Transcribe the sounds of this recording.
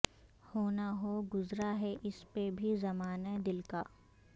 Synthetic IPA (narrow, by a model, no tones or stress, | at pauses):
hoːnaɦoɡʊzɾaɦɛʔɪspebʱizɐmaːnad̪ɪlkaː